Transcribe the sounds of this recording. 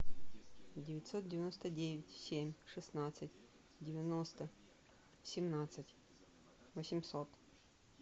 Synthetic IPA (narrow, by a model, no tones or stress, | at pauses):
dʲɪvʲɪtʲsot̪̚dʲɪvʲɪnost̪ədʲevʲɪtʲsʲemʲʂɨsnat̪sɨtʲ | dʲɪvʲɪnost̪ə | sʲɪmnat̪sɨtʲ | vəsʲɪmʲsot̪